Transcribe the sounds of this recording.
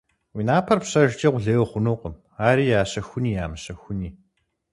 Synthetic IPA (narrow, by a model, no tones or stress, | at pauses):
winaːpʰɐrpɕɐʒt͡ʃʼɐqʷʊɮeːwχʷʊnuːqəm | aːɾiːjaːɕɐxʷʊniːjaːmɨɕɐxʷʊniː